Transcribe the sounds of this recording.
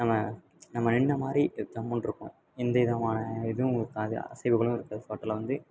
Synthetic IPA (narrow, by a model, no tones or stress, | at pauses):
nɐmːɐ | nɐmːɐnɛɳːɐmaːd̪ɾit̪ːɐmːʊnɪɾɯkːʊ̃ | ɪnd̪ɐɪðɐmaːnɐɪðɯʊ̃ɪɾɯkːaːðɯ̰ɐ̰sɐɪbɯɣɐɭʊ̃ɪɾɯkːaːðɯfoːʈːlɐʋɐnd̪ɯ